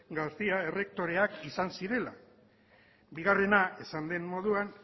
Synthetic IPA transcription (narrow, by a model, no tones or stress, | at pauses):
ɡast̪iae̞re̞k̚t̪o̞ɾe̞akisansiɾe̞la | biɣ̞are̞nae̞sand̪e̞nmo̞ð̞uan